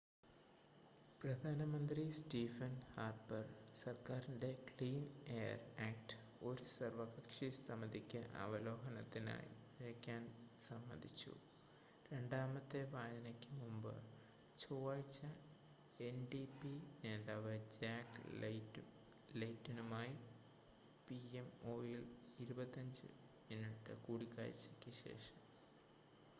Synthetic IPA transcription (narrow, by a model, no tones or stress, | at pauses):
prɐd̪ʱaːnɐmɐnd̪ristiːfɐnhaːrbɐrsɐrkaːɾinde̞kliːneːjɐ̰raːk̚ʈɨ̥ | o̞ɾusɐrʋɐɣɐkʂist̪ɐmɐd̪ikʲːɨʔɐ̰ʋɐloːɦɐnɐt̪ːina̰ːjiiɾɐkʲːaːnsɐmːɐnd̪ʱit͡ɕːṵ | ɾe̞ɳɖaːmɐt̪ːeʋaːd͡ʑɐnɐkʲːɨmumbɨ̰ | t͡ɕuːʋaːjit͡ɕːɐ | e̞nɖipine̞ːðaːʋɨd͡ʑaːkl | lejtːinumaːji | piemo̞ːjiliɾubɐt̪ːɐɲd͡ʑɨ̰ | miniʈːɨkuːɽikːa̰ːɾḭt͡ɕːɐkʲːɨɕe̞̰ːʂɐm